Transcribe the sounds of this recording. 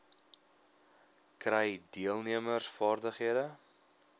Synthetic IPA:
krɛjdiəlˠniəmərsfɑːrdəχɦiədə

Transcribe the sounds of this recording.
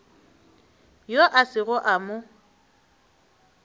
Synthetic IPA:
joʔasɪɣʊʔamʊ

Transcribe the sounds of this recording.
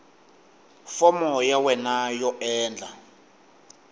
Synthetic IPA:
fɔmɔjawɛnajɔɛːnd͡ɮʱa

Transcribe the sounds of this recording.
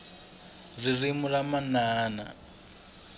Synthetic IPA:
ririmuɺamanaːna̰

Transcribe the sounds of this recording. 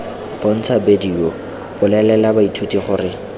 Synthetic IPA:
pɔn̩t͡sʰabedio | b̥ʊlɛlɛlabaitʰutiχʊrɪ

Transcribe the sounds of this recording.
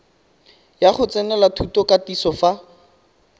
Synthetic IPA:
jaχʊt͡sɛnɛlatʰutɔkatisɔfa

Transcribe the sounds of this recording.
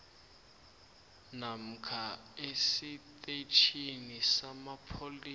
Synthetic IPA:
nam̩kʰaesit̪ʼetʰinisamapʰoli

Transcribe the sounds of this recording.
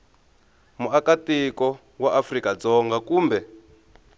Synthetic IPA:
muakatikɔ | waʔafrikad͡zɔŋɡakuːmbɛ

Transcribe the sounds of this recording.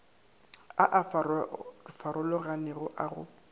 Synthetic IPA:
aʔf | faɾʊlɔɣanɪɣʊʔaɣʊ̰

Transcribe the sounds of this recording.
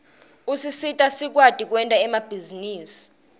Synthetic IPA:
usisitʼasik̬ʼwad̥ʱʼik̬ʼwɛntʼaɛmab̥ʱiziniːsi̥

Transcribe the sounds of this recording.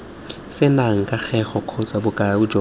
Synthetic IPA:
sɪnaŋ̩kʼaχʰɛχɔq͡χʰɔt͡sʼabʊkʼaʊd͡ʒɔ

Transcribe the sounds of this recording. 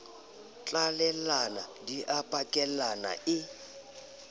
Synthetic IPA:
t͡ɬʼalɛlanadiʔapʼakʼɛlana̰ʔɪ

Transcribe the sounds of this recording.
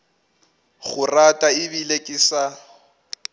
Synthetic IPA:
ɣʊratʼaɪβilekʼɪsa

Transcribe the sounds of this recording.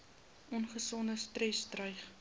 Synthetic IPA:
ʔɔnχəsɔndəstrɛstrœjχ

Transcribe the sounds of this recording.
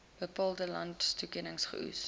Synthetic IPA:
b̥əpɑːlˠdəlɐ̰ntstukɛnəŋsχə̰ʔṵs

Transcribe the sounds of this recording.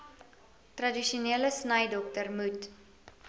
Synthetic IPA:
trɐdiʃuniələsnəjdɔktərmut

